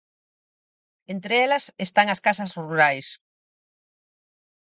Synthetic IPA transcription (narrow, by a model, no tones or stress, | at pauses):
ent̪ɾeɛlɐsest̪aŋɐskasɐsruɾajs